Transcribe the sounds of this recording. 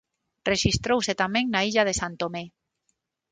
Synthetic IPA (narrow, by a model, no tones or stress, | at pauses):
reʃist̪ɾowset̪amẽŋnaiʎað̞esant̪ome